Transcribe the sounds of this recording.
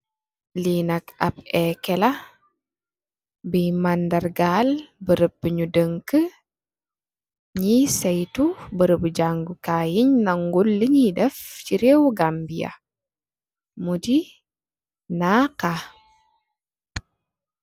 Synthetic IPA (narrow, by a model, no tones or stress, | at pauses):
linɐkɐb̚ɛkɛlɐ | bijmandɐrɡaːlbəɾəb̚əɲudəŋkə | ɲisɛjtubəɾəbəɟaŋɡukaːjiɲnɐŋɡulːəɲidɛfciɾewɡambijɐ̰ | mudi | naka